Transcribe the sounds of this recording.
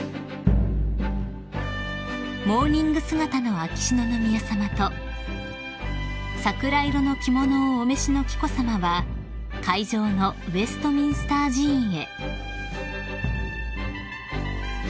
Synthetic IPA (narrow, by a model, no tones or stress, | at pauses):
mo̞ːnʲĩŋɡɯ̟sɨɡat̪ano̞akʲi̥ɕino̞nomʲijasamat̪o̞ | sakɯ̟ɾaiɾo̞no̞kʲimo̞no̞ːme̞ɕino̞kʲi̥ko̞samaβa | kaid͡ʑo̞ːno̞ɯe̞sɨ̥t̪o̞mʲĩɰ̃sɨ̥t̪aːʑĩɰe̞